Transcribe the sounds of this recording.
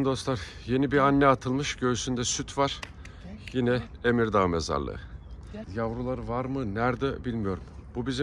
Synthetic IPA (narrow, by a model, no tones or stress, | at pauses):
nd̪o̞st̪lˠaɾje̞nibiɾanːɛat̪ʰɯlˠmɯʃɟø̞ysynd̪ɛsyt̪ʰvaɾ̥ | jinɛemiɾd̪aɯmeza̰ɾlˠɯ̰ɯjavɾulˠaɾɯvaɾmɯnæɾd̪ɛbilʲmijo̞ɾumbubizi